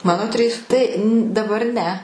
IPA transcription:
ˈmɑːnoː ˈtʲrʲiːs ˈtɐɪ dɐˈbɐr ˈnʲɛ

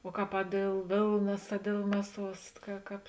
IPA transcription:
oː ˈkɑːp ɐ ˈdʲeːlˠ ˈʋʲeːlˠnɐs ɐ ˈdʲeːlˠ ˈmʲæːˌsuɔs kɐ ˈkɑːp

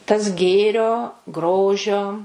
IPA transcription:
tɐs ˈɡʲeːrʲoː ˈɡroːʒʲoː

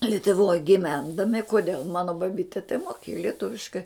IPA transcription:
lʲɪtʊˈʋoːj ɡʲɪˈʋʲɛndɐmʲɪ koːˈdʲeːlˠ ˈmɑːnoː bɐˈbʲɪtʲɛ tɐɪ moːˈkʲeːjʊ lʲiɛˈtʊʋʲɪʃkɐɪ

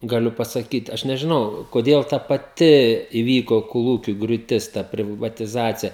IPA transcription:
ɡɐˈlʲʊ pɐsɐˈkʲiːt ˈɐʃ nʲɛʒʲɪˈnɐʊ koːˈdʲeːlˠ tɐ pɐˈtʲɪ ɪˈʋʲiːkoː koːˈlˠuːkʲʊ ɡrʲuːˈtʲɪs ˈtɐ pʲrʲɪʋɐtʲɪˈzɑːt͡sʲɪjɛ

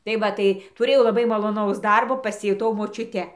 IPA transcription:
tɐɪ ˈʋɐ tɐɪ tʊˈrʲeːjɛʊ lˠɐˈbɐɪ mɐlˠoːˈnɐʊs ˈdɐrboː pɐsʲɪjʊˈtɐʊ moːt͡ʃʲʊˈtʲɛ

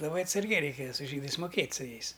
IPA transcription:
lˠɐˈbɐɪ ɐtsɐrʲˈɡʲɛɪ ˈrʲɛɪkʲeːjɛ sʊ ˈʒʲiːdɐɪs mʊˈkʲeːtʲ sʊ ˈjɛɪs

